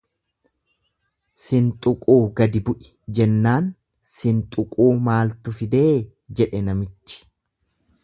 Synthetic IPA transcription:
sɪnt̪ʼʊkʼuːɡɐd̪ɪbʊʔɪ̥ | d͡ʒɛnːaːn | sɪnt̪ʼʊkʼuːmaːlt̪ʊfɪd̪eː | d͡ʒɛᶑɛnɐmɪt͡ʃːɪ̥

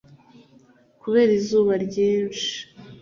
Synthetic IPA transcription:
kuβe̞ːɾizuːβaɾɟiːnʃi̥

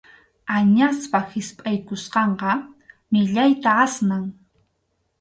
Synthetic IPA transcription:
aɲaspahɪspʼajkʊsqɑɴqɑmɪʎajt̪aasnaŋ

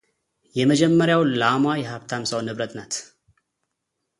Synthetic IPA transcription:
jɛməd͡ʒɛmːəɾjawlamajɛhaβt̪ʰamsawnɨβɾət̪nat̪

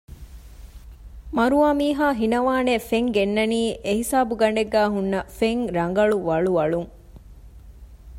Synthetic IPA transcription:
mɐɾuʋaːmiːɦaːɦinɐʋaːnefeŋɡenːɐniːʔeɦisaːbuɡɐɳɖeɡːæːɦunːɐfeŋɾɐŋɡɐɭuʋɐɭuʋɐɭuŋ

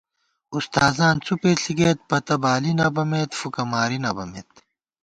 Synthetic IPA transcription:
ust̪aːzãːnt͡sʰupeːɬiɡeːt̪̚pɐt̪ɐbaːlinɐbɐmeːt̪fukɐmaːɾinɐbɐmḛːt̪

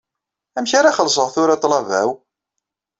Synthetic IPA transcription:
æmçaɾaχəls̬ˤəʁθʊɾat̪ˤlɑvæ̰w

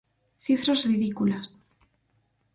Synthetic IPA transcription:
θifɾazriðikulas

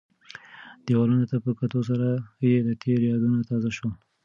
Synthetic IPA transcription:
d̪̥ewɑlunot̪apəkat̪os̬aɾajelat̪ʰeɾjɑd̪unat̪ɑzaʃo

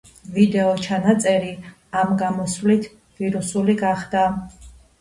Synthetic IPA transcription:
vid̪ɛɔt͡ʃʰanat̪sʼɛɾi | amɡamɔsvlit̪ʰ | viɾusuliɡaχd̪a

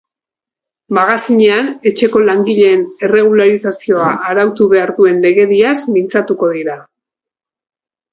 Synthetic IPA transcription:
maɣasiɲe̞ane̞t͡ʃe̞ko̞laŋɡiʎe̞ːnere̞ɣ̞ulaɾisasio̞aʔːɾawt̪uβe̞aɾðue̞nle̞ɣe̞ðiasmint͡sat̪uko̞ðiɾa

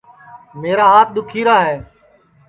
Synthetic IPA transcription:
meːɾaːɦaːt̪̚ʰɗ̪ʊkʰiːɾaːɦeː

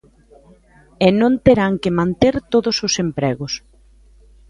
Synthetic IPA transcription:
ɛnõnt̪eɾaŋkɪmãnt̪eɾt̪oðʊsʊsempɾɛɣʊs

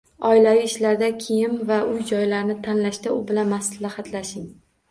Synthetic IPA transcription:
ɒɪlaviɪʃlaɾd̪akʲʰejɪmvaʔʊjd͡ʒɒjlaɾnɪt̪ʰanlaʃt̪aʊbɪlanmaslahat̪ʰlaʃɪŋ

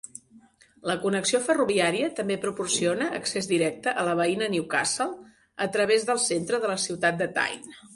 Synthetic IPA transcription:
ləkunəksiofəruβiaɾiət̪əmbepɾupursionəʔəksezðiɾɛk̚t̪əʔələβ̞əinəniuka̰səlˠ | ət̪ɾəβ̞ezðəlˠsent̪ɾəðələsiwt̪at̪̚d̪ət̪a̰jn

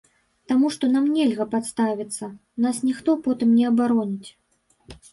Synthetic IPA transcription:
t̪amuʂt̪ɔnamnʲɛlʲɣɐpat̪st̪avʲit̪sːɐ | nasnʲixt̪ɔpɔt̪ɨmnʲɛɐbaɾɔnʲit͡sʲ

